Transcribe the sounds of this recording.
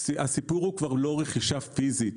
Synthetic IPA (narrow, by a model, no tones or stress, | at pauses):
asipuʁhukvaʁlo̞ʁeχiʃafizit